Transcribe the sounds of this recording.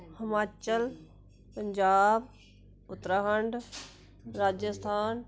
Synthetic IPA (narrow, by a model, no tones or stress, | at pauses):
hɪmaːt͡ʃəl | pɐ̃ɲd͡ʑaːb | ʊt̪ɾaɦəɳɖ | ɾaːd͡ʑəst̪ʰaːn